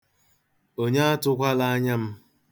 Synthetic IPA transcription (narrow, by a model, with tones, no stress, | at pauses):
o˦ɲe˦a˦tʊ˦kʷa˦la˦a˦ɲa˦m̩˦